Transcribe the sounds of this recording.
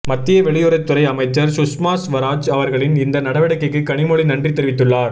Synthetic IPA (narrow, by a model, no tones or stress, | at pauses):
mɐt̪ːɪjɐʋɛɭɪjɔɾɐɪt̪ːʊɾɐɪɐmɐɪt͡ʃːɐɾsʊsmaːsʋɐɾaːd͡ʒɐʋɐɾɣɐɭɪnɪnd̪ɐnɐɽɐʋɪɽɐkːɐɪkːɯkːɐɳɪmɔɭinɐɳdrit̪ːɛɾɪʋɪt̪ːɯɭːaːɾ